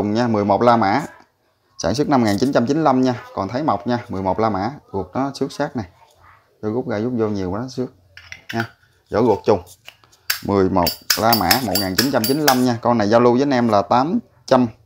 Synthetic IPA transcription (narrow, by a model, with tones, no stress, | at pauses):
ʊ˨˩ŋ͡mɲaː˧mɨ˨˩əjmo˨˩t̚laː˧ma̰ː˧˥ | saː˧˩ŋs̬ɨ˦˥k̚na˧mŋaː˨˩nt͡ɕi˨˦nt͡ɕa˧mt͡ɕi˨˦nla˧mɲaː˧kɔ˨˩nt̪ʰə˨˦jma˨˩wk͡p̚ɲaː˧mɨ˨˩əjmo˨˩t̚laː˧ma̰ː˧˥ɣu˨˩ək̚nɔ˨˦sɨ˦˥k̚saː˦˥k̚na˨˩j | zɔ˧ɣʊ˦˥k͡p̚ɣaː˧jzʊ˦˥k͡p̚zo˧ɲi˨˩əwsɨ˦˥ək̚ɲaː˧ | zɔ̰˧˩ɣu˨˩ək̚t͡ɕʊ˨˩ŋ͡m | mɨ˨˩əjmo˨˩t̚laː˧ma̰ː˧˥mo˨˩t̚ŋaː˨˩nt͡ɕi˨˦nt͡ɕa˧mt͡ɕi˨˦nla˧mɲaː˧kɔ˧na˨˩jzaː˧wlu˧zəː˨˦jnʔɛ˧mlaː˨˩t̪aː˨˦m | t͡ɕa˧m